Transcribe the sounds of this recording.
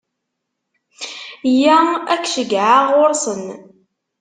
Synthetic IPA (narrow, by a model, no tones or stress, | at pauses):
jæækːʃəɡʕaʁʊɾˤsən